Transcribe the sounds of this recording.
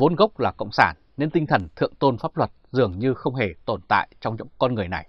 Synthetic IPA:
vo˨˦nɣə˦˥wk͡p̚laː˨˩kə̰˧˨wŋ͡msaː˧˩nːe˧nt̪ï˧ŋ̟t̪ʰə˨˩nt̪ʰɨ̰˧˨əŋt̪o˧nfaː˦˥p̚lwə˨˩t̚zɨ˨˩əŋɲɨ˧xə˧wŋ͡mɦe˨˩t̪o˧˩nt̪a̰ː˧˨jt͡ɕɔ˧wŋ͡mzʊ̰˧˥ŋ͡mkɔ˧nŋɨ˨˩əjna˨˩j

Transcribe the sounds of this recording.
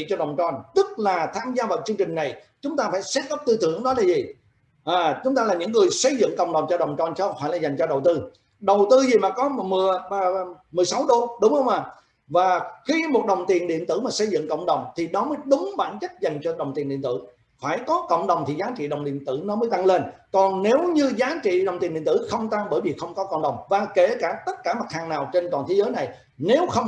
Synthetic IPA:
ḭ˧˨t͡ɕɔ˧ɗə˨˩wŋ͡mt͡ɕɔ˧˩nt̪ɨ˦˥k̚laː˨˩t̪ʰaː˧mzaː˧vaː˨˩wt͡ɕɨ˧əŋt͡ɕɪ̈˨˩ŋ̟na˨˩jt͡ɕʊ˨˦ŋ͡mt̪aː˧faː˧˩jsɛ˦˥t̚ɣə˦˥wp̚t̪ɨ˧t̪ʰɨ˧˩əŋɗɔ˨˦laː˨˩zi˨˩ | ʔaː˨˩t͡ɕʊ˨˦ŋ͡mt̪aː˧laː˨˩ɲɨ̰˧˥ŋːɨ˨˩əjsə˧jzɨ̰˧˨ŋkə̰˧˨wŋ͡mɗə˨˩wŋ͡mt͡ɕɔ˧ɗə˨˩wŋ͡mt͡ɕɔ˧˩nt͡ɕfaː˧˩jlaː˨˩za˨˩jŋ̟t͡ɕɔ˧ɗə˨˩wt̪ɨ˧ | ɗə˨˩wt̪ɨ˧zi˨˩maː˨˩kɔ˨˦mɨ˨˩əː˨˩˨ | mɨ˨˩əjsa˨˦wɗo˧ɗʊ˨˦ŋ͡mhə˧wŋ͡mʔaː˨˩ | vaː˨˩xi˧mo˨˩t̚ɗə˨˩wŋ͡mt̪i˨˩ənɗḭ˧˨ənt̪ɨ˧˩maː˨˩sə˧jzɨ̰˧˨ŋkə̰˧˨wŋ͡mɗə˨˩wŋ͡mt̪ʰi˨˩ɗɔ˨˦məː˨˦jɗʊ˨˦ŋ͡mɓa̰ː˧˩nt͡ɕə˦˥t̚za˨˩jŋ̟t͡ɕɔ˧ɗə˨˩wŋ͡mt̪i˨˩nɗḭ˧˨nt̪ɨ̰˧˩ | faː˧˩jkɔ˨˦kə̰˧˨wŋ͡mɗə˨˩wŋ͡mt̪ʰi˨˩zaː˨˦t͡ɕḭ˧˨ɗə˨˩wŋ͡mɗḭ˧˨ənt̪ɨ˧˩nɔ˨˦məː˨˦jt̪a˧ŋle˧n | kɔ˨˩nne˨˦wɲɨ˧zaː˨˦t͡ɕḭ˧˨ɗə˨˩wŋ͡mt̪i˨˩nɗḭ˧˨nt̪ɨ˧˩xə˧wŋ͡mt̪a˧ŋɓəː˧˩jvi˨˩xə˧wŋ͡mkɔ˨˦kə̰˧˨ŋ͡mɗə˨˩wŋ͡mvaː˨˩ke˧˩kaː˧˩t̪ə˦˥t̚kaː˧˩ma˨˩t̚haː˨˩ŋnaː˨˩wt͡ɕe˧nt̪waː˨˩nt̪ʰe˨˦zəː˨˦jna˨˩j | ne˨˦wxə˧wŋ͡m

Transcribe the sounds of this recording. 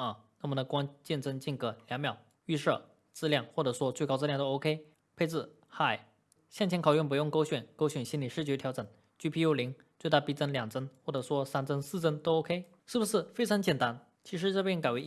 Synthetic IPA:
ə˧˩na˥˩mə˨˩nd̪ə˩kwa˥ŋt͡ɕjɛ˥˩nt͡sə˥˧ŋt͡ɕi˥˩nkɤ˧˥ljɑ˧˥ŋmjɑ˨˩ʊ | y˥˧ʂɤ˥˩ | t͡sɹ̩˥˧ljɑ˥˧ŋxwɔ˥˩ʈ͡ʂɤ˨˩ʂwɔ˥t͡swe˥˩ɪkɑ˥ʊt͡sɹ̩˥˧jɑ˥˩ŋt̪o˥ʊo˥ʊkʰe˥ɪ | pʰe˥˧t͡sɹ̩˥˩ | xa˨˩ɪ | ɕjŋt͡ɕʰjɛ˧˥nkʰɑ˨˩ʊɥy˥˩np̬u˧˥jʊ˥˩ŋko˥ʊɕɥɛ˨˩nko˥ʊɕɛ˨˩nɕi˥nli˨˩ʂɻ̩˥˩t͡ɕjt̪ʰɑ˧˥ʊʈ͡ʂɤ˨˩˦n | t͡ɕy˥˩pʰi˥jo˥ʊli˧˥ŋ | t͡swɪa˥˧˩pi˥˩t͡sə˥nljɑ˨˩ŋt͡sə˥nxwɔ˥˩ʈ͡ʂɤ˨˩ʂwɔ˥sa˥nt͡sə˥nsɹ̩˥˩t͡sə˥nt̪o˥ʊo˥ʊkʰe˥ɪ | ʂɻ̩˥˩bu˩ʂɻ̩˥˩fe˥ɪʈ͡ʂʰɑ˧˥ŋt͡ɕjɛ˨˩nt̪a˥n | t͡ɕʰi˧˥ʂ̬ɻ̩˧˥ʈ͡ʂɤ˥˧pjɛ˥˩nka˨˩ɪwe˧˥ɪ

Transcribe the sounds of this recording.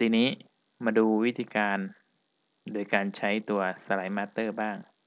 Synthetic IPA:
t̪iː˧niː˦˥ | maː˧duː˧wi˦˥t̪ʰiː˧kaː˧n | doː˧˩jkaː˧nt͡ɕʰa˦˥jt̪u˧ɐsa˧la˨˩˦jmaː˧˥t̪ɤː˥˩baː˥˩ŋ

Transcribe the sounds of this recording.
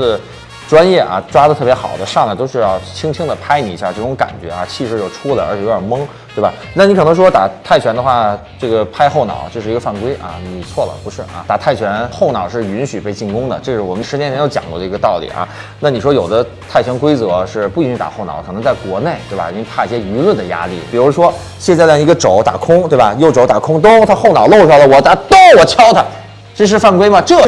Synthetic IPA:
ə˧ | ʈ͡ʂwa˥njɛ˥˩ʔɐ̰˩ʈ͡ʂwa˥d̪ə˩t̪ʰɤ˥˩pjɛ˧˥xɑ̰˨˩ʊd̪ə˦ʂɑ˥˩ŋd̪ə˩t̪o˥ʊʂɻ̩˥˧jɑ˥˧ʊt͡ɕʰi˥ŋt͡ɕʰi˥ŋd̪ə˨pʰa˥ɪni˨˩i˧˥ɕa˥˧˩ʈ͡ʂɤ˥˩ʈ͡ʂʊ˧˥ŋka̰˨˩nt͡ɕɥɛ̰˧˥a˧t͡ɕʰi˥˧ʂɻ̩˥˧jo˥˩ʊʈ͡ʂʰu˥lə̰˨ə˞˧˥t͡ɕʰɛ˨˧jo˧˥ə˞˨˩mɤ˥ŋt̪we˥˩bɐ˩na˥˩ni˧˥kʰɤ˨˩nɤ˧˥ŋʂwɔ˥t̪a̰˨˩t̪ʰa˥˩ɪt͡ɕʰɥɛ˧˥nd̪ə˧xwa˥˧˩ʈ͡ʂɤ˥˩ɡə˩pʰa˥ɪxo˥˩ʊnɑ̰˨˩˦ʊt͡ɕjo˥˧ʊʂɻ̩˥˩˧ɡə˧fa˥˩nkwe˥ɪʔɐ̰˧ni˨˩t͡sʰwɔ˥˩lə̰˩pu˧˥ʂɻ̩˥˩ʔa̰˩t̪a˨˩t̪ʰa˥˩ɪt͡ɕʰɥɛ˧˥nxo˥˩ʊnɑ˨˩ʊʂɻ̩˥˩y˧˥nɕy˨˩pe˥˧ɪt͡ɕi˥˩nkʊ˥ŋd̪ə̰˨ʈ͡ʂɤ˥˧ʂɻ̩˥˩wɔ˨˩mə˦nʂɻ̩˧˥njɛ˧˥t͡ɕʰɛ˧˥jo˥˩t͡ɕj̰ɑ˨˩ŋkwɔ˥˩d̪ə˧i˧˥ɡə˧t̪ɑ˥˩ʊlḭ˨˩˦ʔɐ̰˧˩ | na˥˩ni˨˩ʂwɔ˥jo˨˩d̪ə˦ | t̪ʰa˥˩ɪt͡ɕʰɥɛ˧˥nkwe˥ɪt͡sɤ˧˥ʂɻ̩˥˩pu˥˩i˧nɕy˧˥t̪a̰˨˩xo˥˩ʊnɑ˨˩˦ʊkʰnɤ˧˥ŋt͡sa˥˩ɪkwɔ˧˥ne˥˩ɪt̪we˥˩ba̰˨˩ḭ˨˩t͡ɕi˥˧ŋpʰa˥˩i˧˥˩ɕjɛ˥y˧˥lwə˥˩nd̪ə˩ja̰˥lḭ˥˩pi˨˩ɻu˧˥ʂwɔ˥ | ɕjɛ˥˧nt͡sa˥˧ɪlja˥˩i˧˥ɡə˧ʈ͡ʂo˧˥ʊt̪a̰˨˩kʰʊ˥ŋt̪we˥˩ɪbɐa˨˩jo˧˩ʊʈ͡ʂo˧˥ʊt̪a˨˩kʰʊ˥ŋt̪ʊ˥ŋt̪ʰa˥xo˥˩ʊnɑ˨˩ʊlo˥˧ʊʂa˥˩lə˩wɔ˨˩t̪a˥˩t̪o˥ŋwɔ˨˩t͡ɕʰjɑ˥ʊt̪ʰa˧ | ʈ͡ʂɤ˥˧ʂ̬ɻ̩˥˧fa˥˩nkwe˥ɪmɐ˨ʈ͡ʂɤ˥˩

